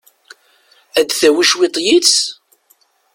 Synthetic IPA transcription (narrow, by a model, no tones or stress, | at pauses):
æd̪θæwiʃwit̪ˤjit͡s